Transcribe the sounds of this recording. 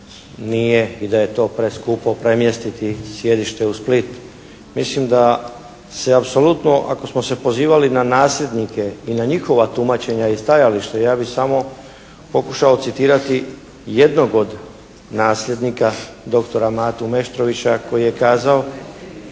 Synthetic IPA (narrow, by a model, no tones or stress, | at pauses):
nijeid̪aje̞t̪o̞ːpɾeskupopɾe̞mjest̪it̪isje̞d̪iʃt̪eusplit̪ | mislimd̪a | se̞apso̞lut̪no̞ʔa̰ko̞smo̞se̞po̞ziːʋalinanaːslʲe̞d̪nike̞inaɲixo̞ʋat̪umat͡ɕe̞ɲaist̪ajaliʃt̪ajaːbixsamo̞ | po̞kuʃaot̪sit̪iːɾat̪i | je̞d̪no̞ɡo̞d̪ | naːsʎʲe̞d̪nika | d̪o̞kt̪o̞ɾamaːt̪ume̞ʃt̪ɾo̞ʋit͡ɕako̞jije̞kaːzao